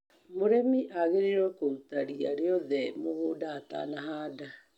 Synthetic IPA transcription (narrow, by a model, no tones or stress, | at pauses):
moɾemiʔaɣeɾeɾɔkoutaɾia̰ɾeɔðɛmoɣoːdaːta̰naɦaːda